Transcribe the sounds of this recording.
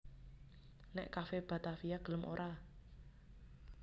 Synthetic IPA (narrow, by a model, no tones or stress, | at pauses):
nɛʔkafeb̥a̤t̪afijaɡ̥ələmʔo̰ɾʔa